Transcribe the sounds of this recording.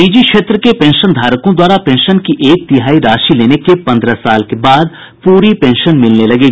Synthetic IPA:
iːd͡ʒikʃeːt̪ɾəkepɛ̃ːnʃənd̪ʱaːɾəkõd̪waːɾapɛ̃ːnʃənkiʔeːk̚t̪ɪɦaːiɾaːʃileːnekepɐ̃nd̪ɾasaːlkebaːd̪ | puːɾipɛ̃ːnʃənmɪlnelɐɡeːɡ

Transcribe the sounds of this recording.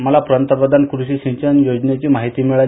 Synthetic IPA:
məlapɾənt̪əpɾəd̪ʱankɾuɕiːɕĩɲt͡ɕənjod͡ʑnet͡ɕiːmaɦit̪iːmiɭal

